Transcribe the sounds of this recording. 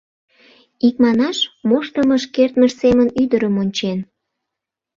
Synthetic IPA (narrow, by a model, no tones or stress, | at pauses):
ik̚mɑnɑʃmoʃt̪əməʃkert̪məʃsemənyd̪əɾəmonʲt͡ɕen